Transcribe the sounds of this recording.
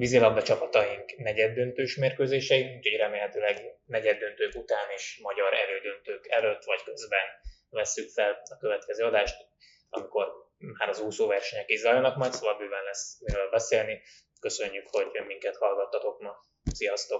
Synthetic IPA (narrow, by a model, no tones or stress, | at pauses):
bizilɒb̪d̪ɒt͡ʃɒpɒt̪ɒjiŋknɛɟɛd̪ːønt̪øːʃmeːrkøːzeːʃɛiuːcho̞ɟrɛmeːlhɛt̪yːlɛɡnɛɟɛd̪ːønt̪øːkut̪aːniʃmɒɟɒɾɛ̰ɾøːd̪ø̞nt̪øːkɛløt̪ːʋɒckø̞zbɛn | vɛsːykfɛlɒkø̞vɛt̪kɛzøːɒd̪aːʃt̪ | ɒ̰miko̞r | maːɾɒzuːsoːvɛrʃɛɲɛkizɒːjɒnɒkmɒjt̪sovɒlbyːvɛllɛsuɾøːlbɛseːlni | kø̞sø̞ɲːykho̞ɟmiŋkɛt̪hɒlɡɒt̪ːɒt̪o̞kmɒ | sijɒst̪o̞k